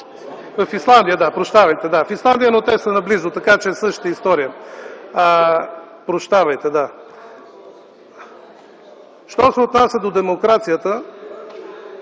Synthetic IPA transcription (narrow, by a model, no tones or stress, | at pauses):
vəfislˠand̪ijəd̪apɾoʃt̪avɐjt̪ɛd̪afislˠand̪ijənot̪ɛsənɐblizʊt̪ɐkat͡ʃɛsɤʃt̪ə̥t̪əist̪ɔɾijə | pɾoʃt̪avɐjt̪ɛd̪a | ʃt̪ɔsɛot̪nasʲəd̪od̪ɛmokɾat̪sijət̪ə